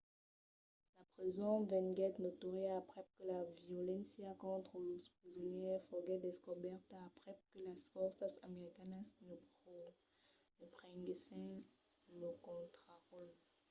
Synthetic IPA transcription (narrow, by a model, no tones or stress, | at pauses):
lapʁizɔ̃vɛ̃ŋɡɛt̪not̪uʁiapʁɛp̚kəlaviolɛ̃sjakɔ̃t̪χəluspχizɔnjɛfɔɡɛd̪eskɔbɛʁt̪apʁɛp̚kəlasfɔʁsasa̰meʁikanasnəbʁɔ | nəpʁɛ̃ŋɡesɛ̃ | lokɔ̃t̪χaʁɔl